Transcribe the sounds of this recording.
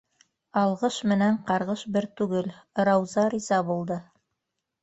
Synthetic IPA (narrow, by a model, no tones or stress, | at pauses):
ɑlˠʁɤʃmɘ̆næɴqɑɾʁɤʃbɘɾt̪ʉɡɘlɾɑwzɑɾizɑbulˠd̪ɤ